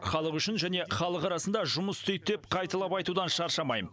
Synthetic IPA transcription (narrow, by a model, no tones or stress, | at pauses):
χɑlˠəqʏʃɪnʒæne̞χɑlˠəqɑɾɑsənd̪ɑʒʊməst̪ʰejt̪̚ːep̚qʰɑjt̪ɑlˠɑpɑjt̪ud̪ɑnʃɑɾʃɑmɑj